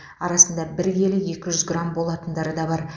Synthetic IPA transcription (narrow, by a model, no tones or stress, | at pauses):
ɑɾɑsənd̪ɑbɪɾɡʲe̞lɪje̞kʲɪʒʏzɡrambo̞lˠɑt̪ənd̪ɑɾəd̪ɑbɑɾ